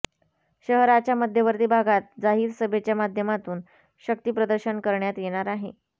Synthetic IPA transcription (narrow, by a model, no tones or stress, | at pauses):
ɕəɦɾat͡ɕjaməd̪ʱjəʋəɾt̪iːbʱaɡat̪̚d͡zaɦiːɾsəbʱet͡ɕjamad̪ʱjəmat̪uːn | ɕək̚t̪iːpɾəd̪əɾɕənkəɾɳjat̪jeɽ̃aɾaɦḛ